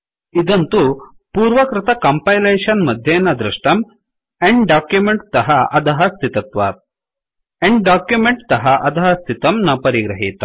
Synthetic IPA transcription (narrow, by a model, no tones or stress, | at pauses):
id̪ɐnt̪u | puːɾʋɐkɾɪt̪ɐkɐmpɐjleːʂɐnmɐd̪ʱjeːnɐd̪ɾiʂʈɐm | eɳɖɖaːkjumeɳʈt̪ɐɦɐɐd̪ɐɦɐst̪ʰit̪ɐt̪ʋɐ | eɳɖɖaːkjumeɳʈt̪ɐɦɐʔɐt̪ɐɦɐst̪ʰit̪ɐmnɐpɐɾiɡɾɐɦiːt̪ɐ